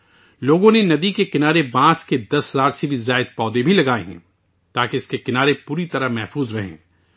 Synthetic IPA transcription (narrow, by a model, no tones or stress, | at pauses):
loːɡõnenɐd̪ikekɪnaːɾebãːsked̪ɐsɦɐzaːɾsebʱizaːɪd̪̚pɔːd̪ebʱilɐɡaːeɦɛ̰̃ː | t̪aːkeɪskekɪnaːɾepuːɾit̪ɐɾamɛɦfuːzɾɐɦḛ̃ː